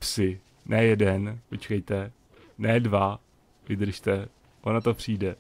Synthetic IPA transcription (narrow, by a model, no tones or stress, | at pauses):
sɪ | nʔɛjɛdɛnpot͡ʃkɛjt̪ɛ | nɛːdva | vɪd̪r̩ʃt̪ɛ | ʔonat̪opr̝̥iːdɛ